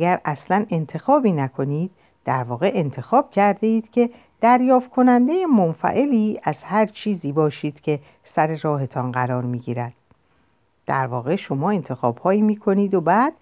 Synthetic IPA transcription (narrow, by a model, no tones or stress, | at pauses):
æɡæɾæslæne̞nt̪ʰe̞xɒːbiːnækʰo̞niːd̪̥̚ː | æɾvɒːɣe̞ʔent̪ʰe̞xɒːb̥̚cʰæɾd̪eiːd̪̥cʰe̞ | d̪̥æɾjɒːft̪̚kʰo̞nænd̪e̞jemonfæ̰ʔe̞liːæz̥hæɾt͡ʃʰiːziːbɒːʃiːd̪̥cʰe̞ | sæɾe̞ɾɒːɦe̞t̪ʰɒnɢæɾɒːɾmiːɡiːɾæd̪̥ | d̪̥æ̰ɾvɒːɣe̞ʃo̞mɒːe̞nt̪ʰe̞xɒ̰ːb̥hɒːiːmiːkʰoniːd̪obæːd̪̥